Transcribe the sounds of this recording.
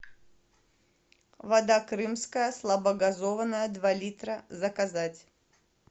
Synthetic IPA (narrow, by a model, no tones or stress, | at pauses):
vɐd̪akɾɨmskəjəslˠɐbɐɡɐzovənəjəd̪valʲit̪ɾəzɐkɐzatʲ